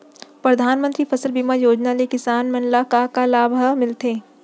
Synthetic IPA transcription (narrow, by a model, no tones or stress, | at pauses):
pɾɐd̪ʱaːnmə̃nt̪ɾiːfʰɐsəlbiːmajoːd͡ʒnalekɪsaːnmɐ̃nlakakalaːbʱəmɪlt̪eː